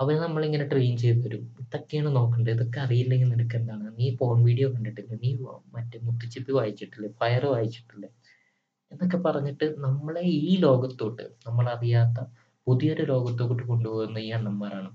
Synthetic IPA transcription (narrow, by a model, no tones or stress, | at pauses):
ɐʋɐnnɐmːɐɭiŋːɐneʈːɨʋijumt͡ɕejt̪uʋɐɾumit̪ːokːejaːɳɨno̞ːkːuɳɖɨiðo̞kːe̞ɐrijilːeŋininukːeend̪aːɳɨniːfo̞ːɳʋiːɽijo̞ːkɐɳɖiʈːilːɐniːmɐtːɨmut̪ːit͡ɕːipːiʋaːjit͡ɕːiʈːilːɐfɐjɐrɨʋaːjit͡ɕːi̥ʈːilːɐ | e̞nːok̬ːe̞pɐrɐɲːiʈːɨnɐmːɐɭe̞iːlo̞ːɡɐt̪ːoːʈːɨ̰nɐmːɐɭɐrijaːt̪ːɐ | puðijo̞ɾulo̞ːɡɐt̪ːokːoʈːɨko̞ɳɖuʋoːɾunːɐijːaːɳnɐmːaːɾaːɳɨ